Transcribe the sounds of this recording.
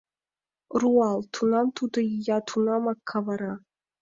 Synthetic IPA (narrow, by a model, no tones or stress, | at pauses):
ruɑlˠt̪ʰunɑmt̪ʰud̪ɤjjɑt̪ʰunɑmɑkʰːɑvɑɾɑ